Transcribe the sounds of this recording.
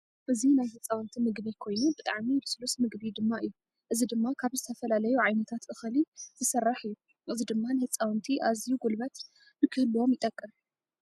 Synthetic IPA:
ʔɨzinajhɨt͡sʼːawnt̪ʰimɨɡβikʰo̞jnubɨt̪ʼaʕmibɨslusmɨɡbid̪ɨmːaʔɨjːu | ʔɨzid̪ɨmːakʰaβzɨt̪ʰɐfɐlalɐjuʕajnɐt̪ʰat̪ʔɨxɨlizɨsɐrːaħɨjːu | ʔɨzid̪ɨmːanɨhɨt͡sʼawnt̪ʰiʔazijuɡulbɐt̪ | bɨkʰɨhɨlːuwo̞mjɪt̪ʼɐkʼːɨm

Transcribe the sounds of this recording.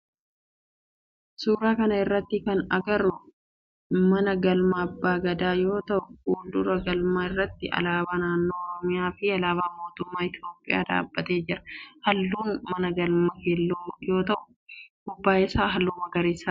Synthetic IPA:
suːɾaːkɐnɐɪrːɐt̪ːɪkɐnɐ̰ɡɐɾʊ | mɐnɐɡɐlmɐɐbːaːɡɐd̪aːjo̞ːt̪ɐʔʊuːnd̪ʊɾɐɡɐlmaːɪrːɐt̪ːɪʔɐ̰laːbaːnaːnːo̞ːɔɾɔmɪjaːfɪɐlaːbaːmo̞ːt̪ʊmːaːɪt̪jo̞ːpʼːɪja̰ːd̪a̰ːbːɐt̪e̞ːd͡ʒɪɾɐ̥hɐlːuːnmɐnɐɡɐlmɐkelːoːjo̞ːt̪ɐʔʊ̥ | ɡʊbːaːʔɪsaːɦɐlːuːmɐɡɐɾiːsːa

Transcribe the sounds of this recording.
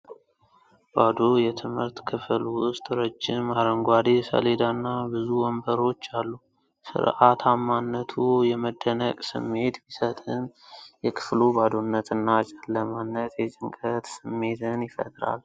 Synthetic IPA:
bad̪ojɛt̪ʰɨmhɨɾt̪kʰɨfɨlwʊst̪ʼɾəd͡ʒːɪmaɾəŋɡʷad̪esə̰led̪anːabɨzuwɔmbəɾo̞t͡ʃːalːu | sɨ̰ɾʔat̪ʰamːanːət̪ʰujɛməd̪ːənəkʼsɨ̰mːe̞t̪bisət̪ʼɨnjɛkʰɨ̥flubad̪onːət̪ɨnːat͡ʃʼalːəmanːət̪jɛt͡ʃʼɪŋkʼət̪sɨmːe̞t̪ʰɨnjɪfə̰t̪ʼɾa̰l

